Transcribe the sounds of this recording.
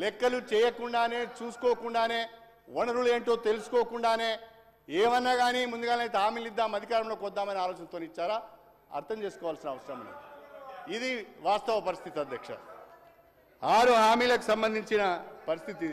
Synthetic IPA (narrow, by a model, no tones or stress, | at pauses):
lɛkːɐlut͡ʃɛːjɐkuɳɖaːne̞ːt͡ʃuːsu̥koːkuɳɖaːne̞ː | ʋonɐɾule̞ːɳʈo̞ːt̪e̞lusu̥koːkuɳɖaːne̞ː | eːʋɐnːaːɡaːnimund̪uɡaːnɐjt̪eɦaːmiːlid̪ːaːmɐd̪ʱikaːɾɐmlo̞ːkɔd̪ːaːmɐniaːlɔːt͡ʃɐnɐt̪oːniit͡ʃːaːɾaː | ɐ̰ɾt̪ʰɐmt͡ʃe̞ːsu̥kɔːʋaːlsinɐʋɐsɾɐmɐnḭ | id̪iʋaːst̪ɐʋɐpɐɾist̪ʰit̪iɐd̪ʱjɐkʂɐ̰ | aːɾuɦaːmiːlɐku̥sɐmbɐnd̪ʱiɲt͡ʃinɐpɐɾist̪ʰit̪i